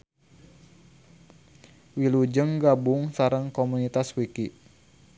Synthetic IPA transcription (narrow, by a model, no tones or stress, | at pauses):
wilud͡ʒəŋɡabuŋsaɾəŋkomunit̪aswiki